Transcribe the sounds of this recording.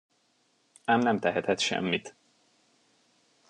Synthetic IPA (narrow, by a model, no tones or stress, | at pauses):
amnɛmt̪ɛɦɛt̪ɛt̪ʃɛ̰mːit̪